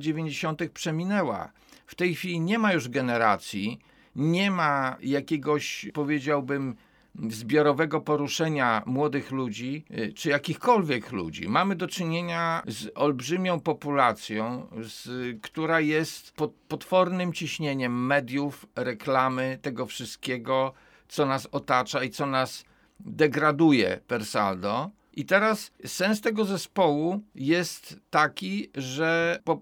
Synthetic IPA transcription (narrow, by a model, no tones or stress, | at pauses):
d͡ʑevʲjeɲd͡ʑeɕɔnt̪ɘxpʂɛmʲinɛwa̰ | ft̪ɛjxfʲilʲiɲɛmajuʐɡɛnɛɾa̰t̪sʲji | ɲɛmajakʲeɡɔɕpɔvʲjed͡ʑawbɘm | zbʲjɔɾɔvɛɡɔpɔɾuʂɛɲamwɔd̪ɘxlud͡ʑit͡ʂɘjakʲixkɔlvʲjɛklṵd͡ʑḭmamɘd̪ɔt͡ʂɘɲeɲazɔlbʐɘmʲjɔ̃w̃pɔpulat̪sʲjɔ̃w̃skt̪uɾajɛst̪pɔt̪pɔt̪fɔɾnɘmt͡ɕiɕɲeɲɛmːɛd̪ʲjufɾɛklamɘt̪ɛɡɔfʂɘst̪̚kʲeɡɔ | t̪sɔnasɔt̪at͡ʂait̪sɔnaz | d̪ɛɡɾad̪ujɛ̰pɛɾsa̰ld̪ɔ | ʔit̪ɛɾasːɛns̬t̪ɛɡɔzɛspɔwujɛst̪ːakʲiʐɛpɔ